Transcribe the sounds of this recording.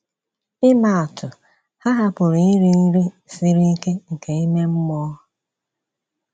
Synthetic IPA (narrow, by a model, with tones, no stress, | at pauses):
ɪ˦ma˨a˨tʰʊ˨ | ha˦ɦa˦pʊ˨ɾi˨i˦ɾi˦ni˦ɾi˦ | si˦ɾi˦ke˦ŋ̩˨ke˨i˦me˦m̩˦mɔ˦